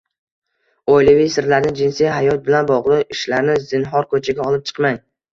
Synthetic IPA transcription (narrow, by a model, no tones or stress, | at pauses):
ojlɪvɪjsɪɾlaɾnɪd͡ʒɪnsijɦajɒt̪̚bɪlanbɒʁlˠɨqɪʃlaɾnɪzɪnɦɒɾkʰɵt͡ʃʰaɡʲaɒlˠɪp̚t͡ʃʰɨ̥qmaj